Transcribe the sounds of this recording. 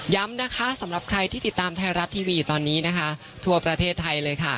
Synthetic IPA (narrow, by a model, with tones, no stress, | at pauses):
ja˦˥mna˦˥kʰa˦˥sa˩˦mɾa˨˩p̚kʰɾa˧jt̪ʰiː˥˩t̪i˨˩t̪ːaː˧mt̪ʰa˧˥jɾa˦˥t̪ʰːiː˧wiː˧juː˨˩t̪ɔː˧nːiː˦˥na˦˥kʰa˦˥ | t̪ʰu˧ɐpɾa˧t̪ʰeː˥˩t̪ʰːa˧jlɤː˧jkʰa˥˩